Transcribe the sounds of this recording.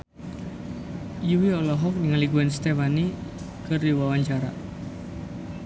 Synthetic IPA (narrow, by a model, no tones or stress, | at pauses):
juwiɔlɔɦɔk̚niŋaliɡuɛnst̪efani | kɨrdiwawaɲt͡ʃaɾa̰